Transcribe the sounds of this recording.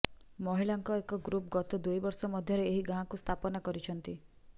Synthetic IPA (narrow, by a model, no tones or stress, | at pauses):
mɔɦilaŋkɔekɔɡɾup̚ɡɔt̪ɔd̪ujbɔɾsɔmɔd̪ʱjɔɾeeɦiɡaɦãkust̪ʰapɔnakɔɾit͡ʃʰɔnt̪i